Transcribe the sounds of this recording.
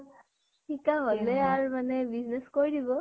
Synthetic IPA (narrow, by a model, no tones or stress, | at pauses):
tʰikaɦolɛaɹmanɛbiznɛskoɹidibɔ